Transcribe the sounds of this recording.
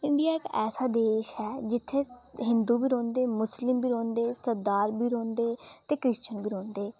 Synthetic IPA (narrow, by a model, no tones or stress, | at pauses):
ɪɳɖijaːɪkɛːsaːd̪eːʃhɛːd͡ʒɪt̪ʰːeːɦɪ̃nd̪uːbiːɾõːnd̪eːmʊslɪmbʱiːɾõːnd̪eːsəɾd̪aːɾbiːɾõːnd̪eːt̪eːkɾɪst͡ʃənbiːɾõːnd̪eː